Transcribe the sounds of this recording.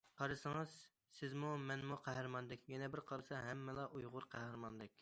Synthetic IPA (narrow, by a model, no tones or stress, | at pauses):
qʰɑɾɨsɨŋɨz̥ | sɪzmumɛnmuqʰæɦɾmɑnd̪ɪkʲjɛnɛbɪɾqʰɑɾɨsɑɦɛmːɪlˠɑʔujʁʊɾqʰæhɾmɑnd̪ɪkʲ